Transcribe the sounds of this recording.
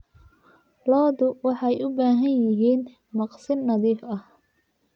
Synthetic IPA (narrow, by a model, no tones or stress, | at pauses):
lɔːðʊwɑħɑjʔʊbaːɦɐnjɪɦiːn | mɑqsɪnːɐðiːfɐh